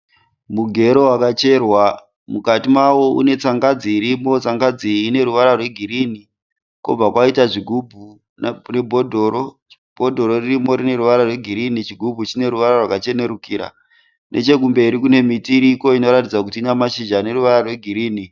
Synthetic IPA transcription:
muɡʱe̞ɾo̞wakat͡ʃe̞rwa | mukatimawo̞ṵne̞t͡saŋɡad͡ziːɾimo̞t͡saŋɡad͡ziːne̞ɾuʋaɾarwe̞ɡʱiɾini | ko̰b͡vakwaitaʐiɡʱubʱu | nne̞bʱo̞dʱo̞ɾo̞ | b̥ʱo̞dʱo̞ɾo̞ririmo̞ɾine̞ɾuʋaɾarwe̞ɡʱiɾinit͡ʃiɡʱubʱut͡ʃine̞ɾuʋaɾarwakat͡ʃe̞ne̞ɾukiːɾa̰ | nʔe̞̰t͡ʃe̞kumbe̞iɾikune̞mitiːɾiko̞ino̞ɾatid͡zak̬utiːnamaʃid͡ʒane̞ɾuʋaɾarwe̞ɡʱiɾiːni

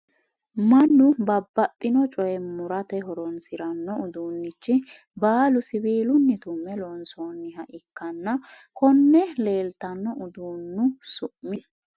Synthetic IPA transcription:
mɐnːʊbɐbːɐt̪ʼːɪnɔt͡ʃʼɔjɛmʊɾɐt̪ɛɦɔɾɔnsɪɾɐnːɔʊd̪uːnːɪt͡ʃːɪ | baːlʊsɪbiːlʊnːɪt̪ʊmːɛlɔnsoːnːɪhɐʔɪkːɐnːɐ | kɔnːɛle̞ːlt̪ɐnːɔʊd̪uːnːʊsʊʔmɪ

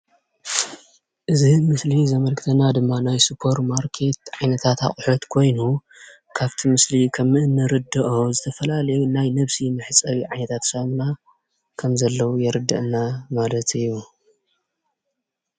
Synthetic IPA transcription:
ʔɨzimɨslizɐmɐlkʰɨt̪ʰɐnad̪ɨmːanajsɨpʰːo̞ɾmaɾkʰe̞t̪ʕajnɐt̪ʰat̪a̰χʼuħot̪kʰo̞jnu | kʰaβt̪ʰimɨslikʰɐmɨnːɨɾɨd̪ɐʔozɨt̪ʰɐfɐlalɐjunajnɐβsimɨħɨt͡sʼɐβiʕajnɐt̪ʰat̪samna | kʰɐmzɐlːɐwujɛɾɨd̪ːɐ̰ʔɨnːamalɐt̪ɨjːu

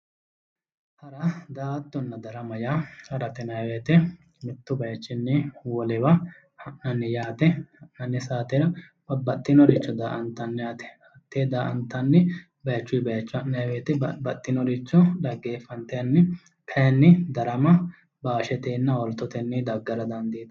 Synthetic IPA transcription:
hɐɾɐd̪aːt̪ːɔnːɐd̪ɐɾɐmɐjaːhɐɾɐt̪ɛnɐjweːt̪ɛ | mɪt̪ːʊbɐjɐt͡ʃːɪnːɪwɔlɛbɐ | hɐʔnɐnːɪjaːt̪ɛhɐʔnɐnːɪsaːt̪ɛɾɐ | bɐbɐt̪ʼːɪnɔɾɪt͡ʃːɔd̪aːʔɐnt̪ːɐnːɪjaːt̪ɛ̥hɐt̪ːeːd̪aːʔɐ̰nt̪ːɐnːɪ | bɐjɐt͡ʃːʊjbɐjɐt͡ʃːʊɐʔnɐjweːt̪ɛbɐt̪ʼːɪnɔɾɪt͡ʃːɔᶑɐɡːe̞ːfːɐnt̪ɐjɐnːɪ | kʰɐjɐnːɪd̪ɐɾɐmɐ | baːʃɛt̪eːnːɐɔlt̪ːɔt̪ɛnːɪd̪ɐɡːɐɾɐd̪ɐnd̪iːt̪

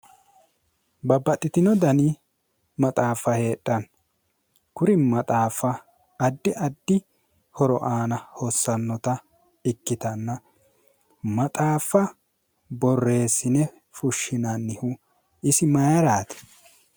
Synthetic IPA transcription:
bɐbɐt̪ʼːɪt̪ɪnɔd̪ɐni | mɐt̪ʼaːfɐhe̞ːɗːɐn | kʊɾɪmɐt̪ʼaːfɐː | d̪ːɪʔɐd̪ːɪ | hɔɾɔʔaːnɐhɔsːɐnːɔt̪ɐ | ɪkːɪt̪ɐnːɐ | mɐt̪ʼaːfːɐ | bɔrːe̞ːsɪnɛ | fʊʃːɪnɐnːɪhu | ɪsɪmɐjɐɾaːt̪ɛ̥

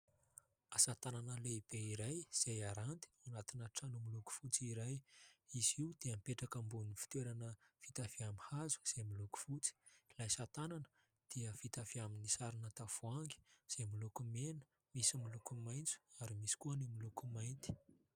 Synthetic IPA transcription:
asat̪ananəleib̥eiɾajz̥ejaɾant̪i̥anat̪inaʈ͡ʂanumiluku̥fut͡siɾajiz̥iud̪̥eamipeʈ͡ʂakəmbunifi̥t̪weɾanəfit̪aviamihazu̥z̥emiluku̥fut͡si̥lajsat̪ananə̥ | d̪̥iəfit̪aviaminisaɾinət̪afuaŋɡi̥z̥emilukumenə̥ | misimilukumajnt͡su̥aɾimisi̥kuənimilukumajnt̪i̥

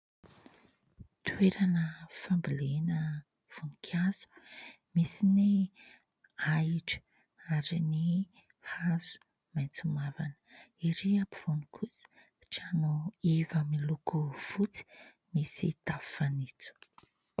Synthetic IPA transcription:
t̪ʰweɾanəfambilenə | v̥onikʰazu̥ | misini | ajʈ͡ʂə̥ | aɾini | hazu̥ | mant͡sumavanə̥iɾiapiv̥onikʰusə̥ | ʈ͡ʂanoivəmilukuv̥ut͡si̥ | misit̪affanit͡su̥

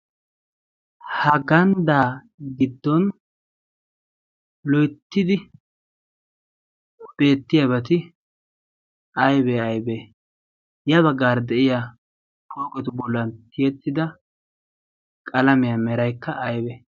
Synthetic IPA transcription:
hɐɡɐnd̪aː | ɡɪd̪ːɔn | lɔjt̪ːɪd̪ɪ | b̥e̞ːt̪ːɪjɐbɛt̪̬ɪ | ɐjbɛɐjbɛ | jɐβɐɡːaːɾd̪ɛʔɪja | kʰoːkʼɔt̪ʊbɔlːɐnt̪ʰɪjɛt̪ːɪd̪ɐ | kʼɐlɐmɪjɐmɛɾɐjkːɐʔːjbɛ

